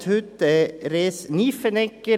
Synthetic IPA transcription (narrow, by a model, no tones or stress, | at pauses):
t̪hʉt̪ɛɾeːsniːfənɛkːə